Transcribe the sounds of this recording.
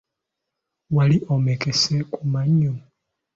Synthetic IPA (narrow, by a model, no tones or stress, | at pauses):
waliʔomekesekumaɲːo